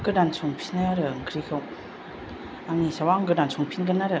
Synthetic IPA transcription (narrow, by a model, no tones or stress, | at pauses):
ɡɯdansʰɔŋpʰinaɾɯŋkʰɾikʰaw | aŋisawaŋɡɯdansʰɔŋpʰinɡɯnaɾɯ